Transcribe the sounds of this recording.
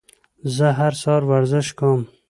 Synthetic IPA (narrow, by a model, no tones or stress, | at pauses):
zəɦaɾsɑːɾwaɾzɪʃkom